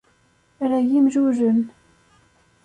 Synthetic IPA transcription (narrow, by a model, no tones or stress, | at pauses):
ɾæjimʒuʒən